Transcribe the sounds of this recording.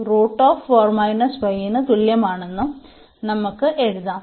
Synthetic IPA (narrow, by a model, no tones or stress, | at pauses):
roːʈːoːfʋoːrmɐjnɐsʋɐjːinɨt̪uɭjɐmaːɳenːu | nɐmukːɨʔe̞ɻuðaː